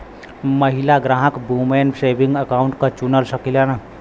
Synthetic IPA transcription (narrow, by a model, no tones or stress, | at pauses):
məɦilaɡɾaːɦəkbumensebĩŋɡəkaʊ̃ɳʈkat͡ʃunəlsəkilana